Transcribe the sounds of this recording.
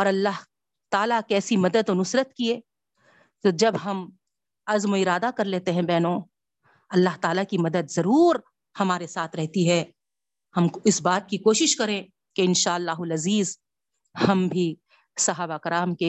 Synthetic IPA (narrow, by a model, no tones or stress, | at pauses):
ɔːɾɐlːaːɦ | t̪aːlakɛːsimɐd̪əd̪onʊsɾət̪kieː | t̪od͡ʒɐbɦɐm | ɐzmoɪɾaːd̪akɐɾleːt̪eɦɛ̃bɛːnõ | ɐlːaːɦt̪aːlakimɐd̪əd̪zɐɾuːɾ | hɐmaːɾesaːt̪ʰɾɛɦt̪iɦɛː | hɐmɪsbaːt̪̚kikoːʃɪʃkɐɾẽ | keɪnʃaːlːaːɦʊlɐziːz | hɐmbʱi | sɐɦaːbaɪkɐɾaːmke